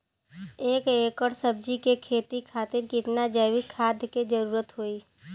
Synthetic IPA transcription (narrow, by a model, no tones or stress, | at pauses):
eːkeːkəɽsəb̚d͡ʒikekʰeːt̪ikʰaːt̪ɪɾkɪt̪nad͡ʒəʋikʰːaːd̪ʱked͡ʒəɾuːɾət̪ɦoːiː